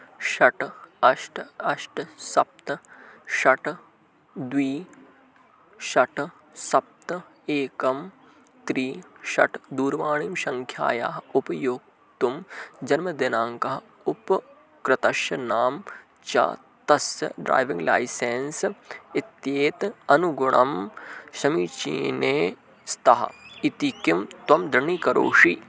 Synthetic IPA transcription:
ʃɐʈɐʃʈɐʃʈsɐp̚t̪ɐʃɐʈ | d̪wiː | ʃɐʈ | sɐp̚t̪ɐ | eːkɐm | t̪ɾiːʃɐ̰ʈd̪uːɾʋaːɳiːmʃɐŋkʰja̰ːjaːɦɐupɐjoːk̚ | t̪umd͡ʒɐnmɐd̪ɪnaːŋkɐɦɐ | ʊp | kɾɪt̪ɐʃjɐnaːm | t͡ʃa̰ː | t̪ɐsɐ̰ɖɾa̰ːjʋĩŋɡla̰ːiseːnsɪt̪jeːt̪ɐnuɡʊɳɐ̰mʃɐmiːt͡ʃḭːneː | st̪ɐɦɐ̰it̪ikimt̪wɐmd̪ɾɐɳikɐɾo̰ːʂiː

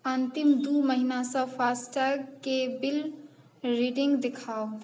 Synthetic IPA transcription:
ənt̪imd̪uməɦinasə̃pʰasʈəkebil | ɾiɖiŋɡd̪ekʰao

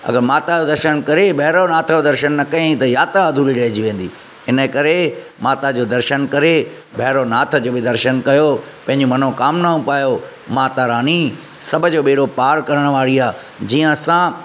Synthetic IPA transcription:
ɐ̰ɡəɾmaːt̪ad͡ʑoːd̪ɐɾʃənkɐɾebʱɐɦɪɾonaːt̪ʰəod̪ɐɾʃənːɐkɐẽĩt̪ɐjaːt̪ɾaɐd̪ʱuliɾɐɦɪd͡ʑiʋẽːn̆d̪iː | ɪnəkɐɾe | maːt̪ad͡ʑoːd̪ɐɾʃənkɐɾe | bʱɐɦɾonaːt̪ʰə̆d͡ʑoːbɪd̪ɐɾʃənkɐjo | pɐ̃ɦɪ̃ɲd͡ʑomɐnokaːmnaũpaːjo | maːt̪aɾaːni | sɐbʱʊ̆d͡ʑoːɓeːɾopaːɾkɐɾəɽ̃ʋaːɾiaː | d͡ʑiːə̃sãː

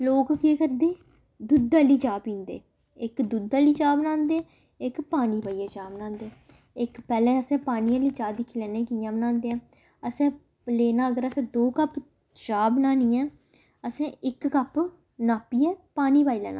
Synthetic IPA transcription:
loːkkeːkəɾd̪eː | d̪ʊd̪ːaːliːd͡ʒaːpĩːnd̪ḛː | ɪkd̪ʊd̪aːliːt͡ʃaːbənãːnd̪eː | ɪkpaːniːbaːiːãːt͡ʃaːbnãːnd̪eː | ɪkpɛːlɛ̃ːəsɛ̃ːpaːniːãːliːd͡ʒaːd̪ɪkʰːilɛːnẽːkijãːbənãːnd̪eɛ̃ː | əsɛ̃ː | leːnaːəɡəɾəsɛ̃ːd̪oːkəp | d͡ʒaːbnaːniːãː | əsɛ̃ːɪkːəp | naːpiːɛːpaːniːbaːiːlɛ̰ːnã̰ː

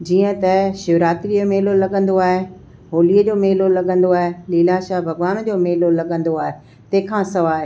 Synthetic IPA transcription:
d͡ʑiːə̃t̪ɐʃɪʋɾaːt̪ɾiomeɦlolɐɠə̃nd̪oaːɦe | ɦoːliəd͡ʑoːmeːlolɐɠə̃n̆d̪oaːɦeliːlaʃaːbʱɐɡʋaːnd͡ʑoːmeːlolɐɠə̃nd̪oaːɦe | t̪ɐ̃ɦɪ̃kʰãsɐʋaːɦe

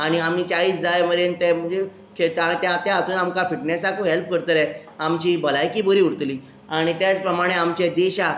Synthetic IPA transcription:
aɽ̃iam̤iːt͡ɕaiːt͡sd͡zajməɾent̪ɛm̤ənd͡ze | ket̪at̪jat̪jaat̪uːnamkafiʈnesakoɦelp̚kəɾt̪əlɛ | amt͡ɕiːbəlajkiːbəɾiːuɽt̪liː | aɽ̃it̪jat͡spɾəmaɽ̃eamt͡ɕed̪eɕa

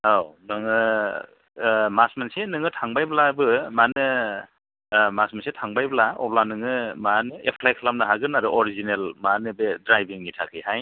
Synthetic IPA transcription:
hawnɯŋɯ | masmansenɯŋɯtʰaŋbajblabɯmanɯ | masmansetʰaŋbajblaɔ̰planɯŋɯmanɯepʰlajkʰlam̚naɦaɡɯnaɾɯʔɔɾizinelmanɯbedɾajbiŋnitʰakʰihaj

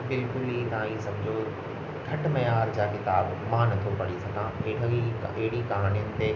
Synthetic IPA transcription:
bɪlkʊlit̪ɐãisɐbd͡ʑʱo | ɡʱɐʈmɐjaːɾd͡ʑaːkɪt̪aːbmãnɐt̪ʰopɐɽisɐɡãɪɽiɐɦɪɽikaɦaːnijənɪ̆t̪e

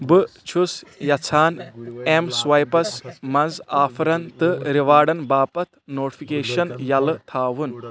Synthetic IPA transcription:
bɨt͡ʃʰusjɐt͡sʰaːnemswɐjpɐsmɐnzaːpʰɾɐnt̪ɨɾiʋaːɽɐnbaːpɐt̪ʰnoːʈi̥pʰikeːʃɐnjɐlɨt̪ʰaːwun

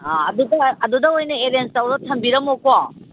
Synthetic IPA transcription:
aɐdudɐɐdudɐojnɐeɾensawdɐtʰɐmbiɾɐmokɔ

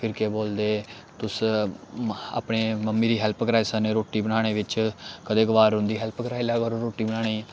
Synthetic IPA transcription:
pʰɪɾkeːboːld̪eː | t̪ʊs | a̰ːpɳeːməmːiːɾiːɦɛlpkəɾaːisəneːɾoːʈiːbənaːɽ̃eːʋɪt͡ʃkəd̪eːɡəʋaːɾɦʊ̃nd̪iːɦɛlpkəɾaːilaːɡəɾoɾoːʈiːbəñaːɽ̃iː

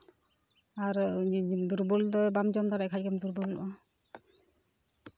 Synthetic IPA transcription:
aɾd̪uɾbuld̪ɔbamd͡ʒɔnd̪aɾaʔkʰackamd̪uɾbulṵʔa

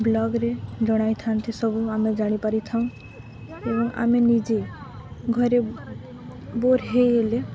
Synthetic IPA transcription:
blɔɡɾed͡ʒɔɽ̃ajt̪ʰant̪ʰisɔbuamed͡ʒaɽ̃ipaɾit̪ʰaũ | ebɔŋa̰menid͡ʒe | ɡʱɔɾe | boɾɦejele

